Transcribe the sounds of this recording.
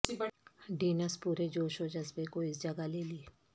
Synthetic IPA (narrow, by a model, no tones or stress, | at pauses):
ibɐɖiːnəspuːɾed͡ʒoːʃod͡ʒɐzbekoɪsd͡ʒɐɡaleːlie